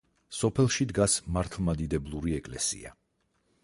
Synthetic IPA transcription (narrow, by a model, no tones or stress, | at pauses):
sɔpʰɛlˠʃid̪ɡasmaɾt̪ʰlˠmad̪id̪ɛblˠuɾiɛkʼlɛ̰sḭa̰